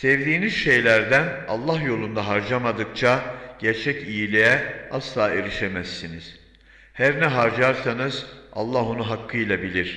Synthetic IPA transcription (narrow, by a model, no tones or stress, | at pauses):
sɛvd̪iːniz̥ʃe̞jlʲæɾd̪æna̰lˠːahjo̞lˠund̪aɦaɾd͡ʒamad̪ɯk̚t͡ʃʰaɟ̥æɾt͡ʃʰɛcijilʲejɛaslˠaːe̞ɾiʃe̞mæsːiniz̥ | hæɾnɛɦaɾd͡ʒaɾsanɯza̰lˠːaɦunuɦakʰːɯjlˠabilʲiɾ̥